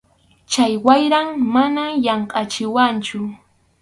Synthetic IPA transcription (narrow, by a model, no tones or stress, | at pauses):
t͡ʃajwajɾaŋmanajɑɴqʼɑt͡ʃɪwant͡ʃʊ